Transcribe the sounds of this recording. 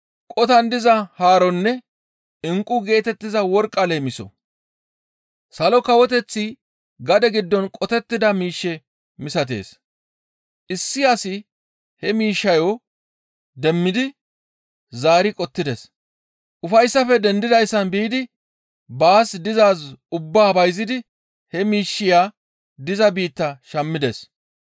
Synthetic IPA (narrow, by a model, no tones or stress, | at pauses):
kʼɔt̪ɐnd̪ɪzɐhaːɾɔnːɛ | ɪŋkʼːʊɡe̞ːt̪ɛt̪ːɪzɐwɔɾkʼːɐleːmɪsɔ̰ | sɐlɔkɐwɔt̪ɛt͡sːi | ɡɐd̪ɛɡɪd̪ːɔnkʼɔt̪ɛt̪ːɪd̪ɐmiːʃːɛ | mɪsɐt̪̬e̞̰ːs | ʔɪsːɪɐsɪ | hɛmiːʃːɐjo | d̪ɛmːɪd̪ɪ | zaːɾɪkʼɔt̪ːɪd̪es | ʔʊfɐjsːɐfɛd̪ɛnd̪ɪd̪ɐjsːɐnbiːd̪ɪ | baːsd̪ɪzaːsʊbːaːbɐjzɪd̪ɪ | hɛmiːʃːɪjaː | d̪ɪzɐbiːt̪ːɐʃɐmːɪd̪es